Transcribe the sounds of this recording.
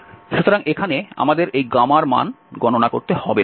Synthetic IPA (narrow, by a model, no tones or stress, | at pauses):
ʃut̪ʰoɾaŋekʰanea̰mad̪eɾʔejɡamaɾma̰nɡɔnonako̰ɾt̪ehɔbe